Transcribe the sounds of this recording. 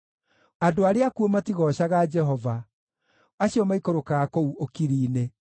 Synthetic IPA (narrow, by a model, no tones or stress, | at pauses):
adoaɾeakuomatiɣɔɕaɣad͡ʒɛɦɔva | aɕiɔmaikoɾokaɣakouʔokiɾiːne